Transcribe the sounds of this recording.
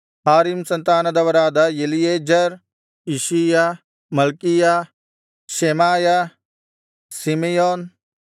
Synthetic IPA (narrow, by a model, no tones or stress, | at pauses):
haːɾimsɐnt̪aːnɐd̪ɐʋɐɾaːd̪ajɐlijeːd͡ʒɐɾ | iʃija | mɐlkija | ʃemaːja | simejoːn